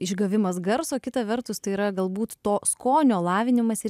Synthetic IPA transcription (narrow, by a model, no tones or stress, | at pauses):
ɪʒɡɐʋʲɪmɐs̬ɡɐɾsoːkʲɪt̪ɐʋʲɛɾt̪ʊst̪ɐɪiːɾɐɡɐlˠbuːt̪t̪oːskoːnʲoːlˠɑːʋʲɪnʲɪmɐsɪ